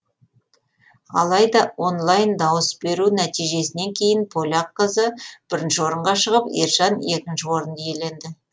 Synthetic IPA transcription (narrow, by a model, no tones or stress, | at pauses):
ɑ̰lˠɑjd̪ɑo̞nlˠɑjnd̪ɑwəsbe̞ɾunæt̪ijʒe̞sɪne̞ŋkʲʰe̞jɪnpʰo̞lʲɑqːəzəb̥ɪɾɪnʃɪwo̞ɾəɴʁɑʃəʁəpḭɾʒɑne̞kʲɪnʃɪwo̞ɾənd̪əjele̞nd̪ɪ